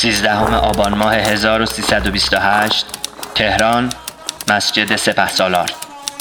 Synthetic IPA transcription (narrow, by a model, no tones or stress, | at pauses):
siːzd̪æho̞me̞ʔɒːbɒːnmɒːhe̞ɦe̞zɒːɾosiːsæd̪o̞bist̪oɦæʃt̪t̪ʰːe̞hɾɒːnmæsd͡ʒe̞d̪e̞se̞pʰæhsɒːlɒːɾ